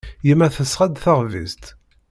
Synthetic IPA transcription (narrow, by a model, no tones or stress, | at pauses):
jimæθəsʁæd̪θəʁvḭst̪